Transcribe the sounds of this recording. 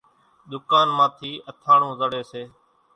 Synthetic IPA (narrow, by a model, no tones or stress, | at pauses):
ɗ̪ʊkaːnmãːt̪ʰiːʔət̪ʰãːɳũːzəɽeːseː